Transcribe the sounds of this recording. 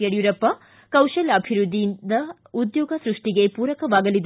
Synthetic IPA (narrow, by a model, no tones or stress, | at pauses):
eɽjuɾɐpːɐ | kɐwʃɐlɐbʱiɾud̪ʱːijind̪ɐ | ud̪jɔːɡɐsɾuʂʈiɡe̞puːɾɐkɐʋaːɡɐlid̪